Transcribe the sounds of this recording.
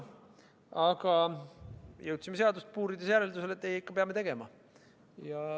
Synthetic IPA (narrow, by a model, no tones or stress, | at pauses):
ɑɡɑ | jɤwt̪simee̞ɑd̪ust̪̚puːɾid̪esjæɾeld̪use̞le̞t̪ːejikːɑpe̞ɑmːe̞t̪e̞ɡ̥e̞mɑ | jɑ